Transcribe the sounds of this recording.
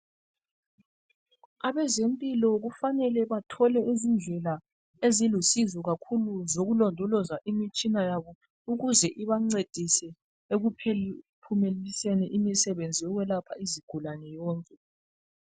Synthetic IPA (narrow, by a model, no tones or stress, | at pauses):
aβɛzempʼilɔɣufanɛlɛβatʰɔlɛʔizind͡ɮʱɛla | ezilusizɔɣakʰuluzoɣulɔndʱɔlɔzaʔimit͡ʃʼinajaβɔ | uɣuzɛʔiβaŋ͡ǀed̥ʱisɛ | eɣupʰɛpʰumelisenɛʔimisɛβend͡zʱijɔɣwɛlapʰaiziɡ̥ʱulanɛjɔːŋkʼɛ